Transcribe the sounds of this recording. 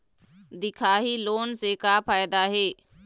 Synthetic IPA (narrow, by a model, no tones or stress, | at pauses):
d̪ɪkʰaːɦiloːnsekaːpʰaːjd̪aːɦeː